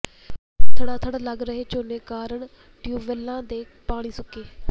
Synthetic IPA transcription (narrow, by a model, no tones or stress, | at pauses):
t̪ʰəɽ̃aːt̪ʰəɽləɡɾəɦeːt͡ʃoːneːkaːɾəɳ | ɖjuːʋəlãːd̪eː | paːɽ̃iːsʊkeː